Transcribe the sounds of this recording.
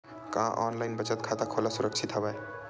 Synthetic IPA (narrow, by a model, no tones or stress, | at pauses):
kããʔɔ̰ːnlaɪnbət͡ʃət̪̚kʰaːt̪akʰoːlasʊɾəkt͡ʃʰit̪ɦobae